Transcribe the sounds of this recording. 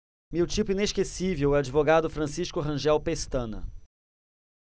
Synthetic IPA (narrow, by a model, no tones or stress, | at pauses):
mewt͡ʃipʊineskesivewɛad͡ʒivoɡad̪ʊfɾɐ̃siʃkʊɦɐ̃ʒɛwpest̪ɐ̃nɐ̰